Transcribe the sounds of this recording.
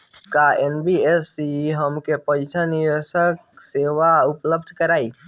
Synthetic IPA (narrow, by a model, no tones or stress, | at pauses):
kaenbiesiɦəmkepəjt͡ʃʰaniɾesək̚seʋaupləbd̪ʱkəɾai